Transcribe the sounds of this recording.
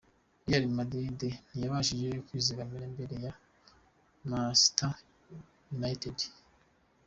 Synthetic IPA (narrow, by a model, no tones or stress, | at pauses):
ijaɾimadɾiden̥ijaβaːʃed͡ʒejokwiːziɾambeɾembe̞ɾe̞ja | masta | junaited